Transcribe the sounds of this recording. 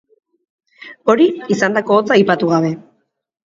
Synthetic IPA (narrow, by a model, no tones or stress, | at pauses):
o̞ɾiisand̪ako̞ːt͡saːjpat̪uɣ̞aβ̞e̞